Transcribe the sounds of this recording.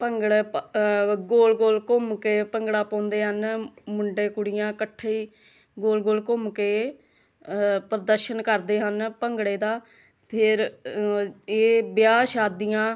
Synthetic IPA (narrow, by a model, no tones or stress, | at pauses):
pəŋɡɽe | ɡoːlɡoːlkʊmkeːpəŋɡɽaːpɔ̃ːnd̪eːɦənmʊɳɖeːkʊɽɪjãːkəʈʰːeiː | ɡoːlɡoːlkʊmkeː | pɾəd̪əɾʃənkəɾd̪eːɦənpəŋɡɽeːd̪aː | pʰɪɾ | eːbjaːʃaːd̪ɪjãː